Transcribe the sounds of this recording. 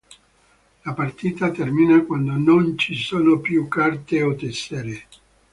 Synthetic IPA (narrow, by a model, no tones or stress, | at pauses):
lapart̪iːt̪at̪ɛrminakwand̪onont͡ʃisoːnopjukːart̪eot̪ɛsːeɾe